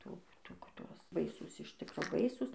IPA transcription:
ˈtuː ˈtuː kɐt ˈtuɔs ˈbɐɪsuːs ɪʃ ˈtʲɪkroː ˈbɐɪsuːs

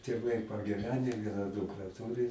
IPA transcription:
tʲeːˈʋɐɪ pɐɡʲɪˈʋʲæːnʲɛ ˈʋʲiɛnɐ ˈdʊkrɐ ˈtʊrʲɪ

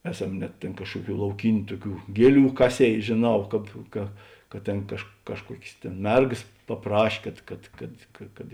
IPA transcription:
ˈæːˌsɐm nʲɛt ˈtʲeːn ˈkɑːʃkuɔˌkʲuː lˠɐʊˈkʲiːnʲʊ ˈtuɔˌkʲuː ˈɡʲiɛˌlʲuː ˈkɑːˌsʲeːɪ ʒʲeːˈnɐʊ ˈkɑːp kɐ kɐ ˈtʲeːn kɐʃk ˈkɑːʃˌkuɔkʲeːs ˈtʲeːn ˈmʲɛrɡɐs pɐˈprɐʃʲ ˈkɐt kɐt kɐt kɐ kɐt

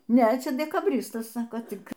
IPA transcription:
ˈnʲɛ ˈt͡ʃʲɛ dʲɛkɐˈbʲrʲɪstɐs ˈsɑːkoː ˈtʲɪk

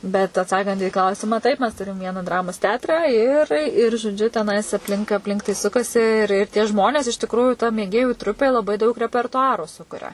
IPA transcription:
bʲɛt ɐtˈsɑːkɐnt iː ˈklˠɐʊsʲɪmɑː ˈtɐɪp mʲɛs ˈtʊrʲɪm ˈʋʲiɛnɐ ˈdrɑːmoːs ˈtʲɛɐtrɑː ɪr ɪr ʒoːˈd͡ʒʲʊ tʲɛˈnɐɪs ɐpʲˈlʲɪŋk ɐpʲˈlʲɪŋk tɐɪ ˈsʊkɐsʲɪ ɪr ɪr tʲiɛ ˈʒmoːnʲeːs ɪʃ tʲɪkˈruːjʊ tɐ mʲeːˈɡʲeːjuː ˈtrʊpʲeː lˠɐˈbɐɪ dɐʊk rʲɛpʲɛrtʊˈɑːrʊ ˈsʊkʊrʲɛ

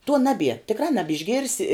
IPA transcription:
tuɔ ˈnɑːbʲiɛ tʲɪkˈrɑː ˈnɑːbʲɪʒʲɡʲɪrʲsʲɪ

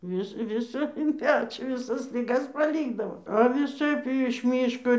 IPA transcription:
ˈʋʲɪs ˈʋʲɪsɐ ɪn ˈpʲæːt͡ʃʲoː ʋʲɪˈsɐs lʲɪˈɡɐs pɐˈlʲiːɡdɐʋoː ɐ ʋʲɪˈsɐɪp ɪ ɪʃ ˈmʲiːʃkoː

